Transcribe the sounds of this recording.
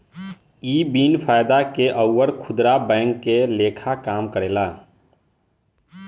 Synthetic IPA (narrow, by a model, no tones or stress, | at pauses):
iːbiːnpʰaːjd̪akeʔəʊːəɾkʰʊd̪ɾabɛ̃ːŋkːeleːkʰakaːmkəɾeːla